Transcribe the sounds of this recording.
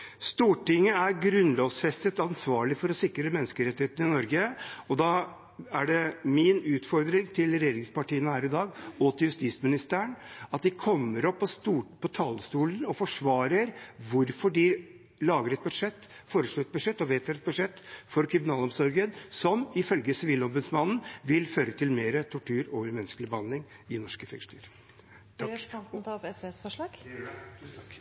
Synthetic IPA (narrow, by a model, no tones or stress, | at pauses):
st̪uːʈɪŋːəæɾɡɾʉnloːʋsfɛst̪ət̪ɑnsʋɑːɭɪfɔɾɔsɪkɾəmɛnːəskəɾɛt̪ːɪheːt̪ən̩əɪnɔɾɡəɔd̪ɑ | æɖɛmɪnʉːt̪fɔɾd̪ɾɪŋt̪ʰɪlɾɛjeːɾɪŋspɑʈiːənəhæːɾɪd̪ɑːɡɔt̪ʰɪjʉst̪iːsmɪnɪst̪æəɳɑt̪̚d̪ɪkʰɔmːəɾɔpːɔst̪uːpʰɔt̪ʰɑːlst̪uːlənɔfɔʂʋɑːɾəɾʋʊɾfɔɖɪ | lɑːɡəɾɛt̪̚bʉd̪ʂɛt̪ːfoːɾəʂɭoːɛt̪̚bʉʂɛt̪ːɔʋeːt̪ʰəɾɛt̪̚bʉʂɛt̪ːfɔɾkʰɾɪmɪnɑːlɔmsɔɾɡənsɔmɪfœlɡəsɪʋiːlɔmbʉd̪smɑnn̩ʋɪlføːɾət̪ʰɪlmeːɾət̪ʰʊʈʰʉːɾoʉmɛnːəsklɪbəhɑnd̪ɪŋɪnɔʂkəfɪ̰ŋʂʈ̪ʰyːɾ | t̪ʰː | ɛssfɔɭɑːɡ